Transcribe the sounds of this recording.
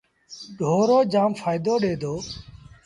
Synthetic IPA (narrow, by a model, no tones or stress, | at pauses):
ɖʱoːɾoːd͡ʒaːmfaːɪd̪oːɗeːd̪ʱoː